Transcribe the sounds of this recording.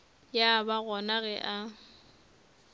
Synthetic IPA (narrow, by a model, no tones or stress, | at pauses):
jabaɣɔnaɣɛʔa